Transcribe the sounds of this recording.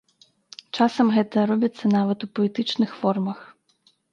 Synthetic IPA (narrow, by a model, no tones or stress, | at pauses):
t͡ʂasɐmɣɛt̪ɐɾɔbʲit̪sːɐnavɐt̪upɔlʲit̪ɨt͡ʂnɨxfɔrmɐx